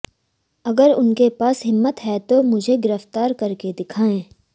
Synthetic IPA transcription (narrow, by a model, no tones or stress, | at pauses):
ɐɡəɾʊnkepaːsɦɪmːət̪ɦɛt̪omʊd͡ʒʱeɡɪɾəft̪aːɾkɐɾked̪ɪkʰaːẽː